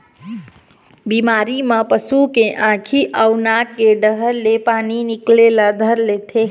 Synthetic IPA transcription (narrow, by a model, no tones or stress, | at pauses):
biːmaːɾimə̃pəsukeʔãːkʰiʔəʊnaːkːeɖəɦəɾlepaːninɪklelad̪ʱəɾleːt̪ʰe